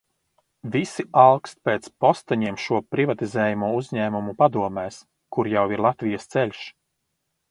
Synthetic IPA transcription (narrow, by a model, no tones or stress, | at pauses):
visialˠkst̪̚peːt̪spɔst̪aɲiɛmʃuɔpɾivat̪izɛːjamuɔuzɲɛːmumupad̪uɔmɛːs | kuɾjawiɾlˠat̪vijɐst̪sɛʎʲʃ